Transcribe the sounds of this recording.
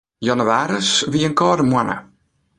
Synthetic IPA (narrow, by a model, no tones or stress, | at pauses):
jɔnuʋaːɾəsʋiənkɔːɾəmwanə̰